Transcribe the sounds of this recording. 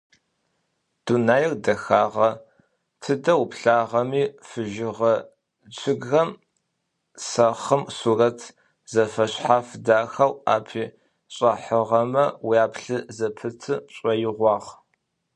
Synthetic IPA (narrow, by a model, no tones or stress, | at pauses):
d̥unaːjɪrdɐxaːʁɐ | tʰɨdɐwpɬaːʁɐmiːfɨʒɪʁɐ | d͡ʒɪɡɣɐm | sɐχəmsuːrɐtʰ | z̥ɐfɐɕħaːfdaːxawa̰ːpʰiː | ɕʼɐħəʁɐmɐwijaːpɬɨzɐpʰɨtʰɨɕʼɐjɪʁʷɑːʁ